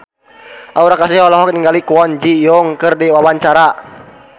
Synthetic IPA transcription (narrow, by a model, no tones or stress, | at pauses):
ʔauɾakasiɦɔlɔɦɔk̚niŋɡalikuɔnd͡ʒijɔŋkərdiwawaɲt͡ʃaɾa